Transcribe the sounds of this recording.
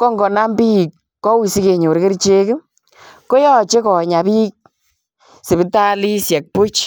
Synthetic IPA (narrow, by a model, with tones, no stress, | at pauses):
kɔ˦ŋɡɔ˨na˦mbi˦˨kː | ɔ˦wi˨si˦ke˨ɲo˨ɾke˦ɾt͡ʃe˦k | ko˦jɔ˦t͡ʃe˦kɔ˨ɲa˨bi˦k̚ | se˨bi˦ta˦li˦sjɛ˨k̚pu˦t͡ʃ